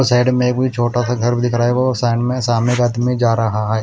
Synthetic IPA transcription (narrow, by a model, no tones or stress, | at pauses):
saːɪɖmẽekbʱit͡ʃʰoːʈasaɡʱɐɾbʱid̪ɪkʰɾaːeɡoɔːɾsaːɪɖmẽsaːmɪkaːd̪mid͡ʒaːɾɐɦaɦɛː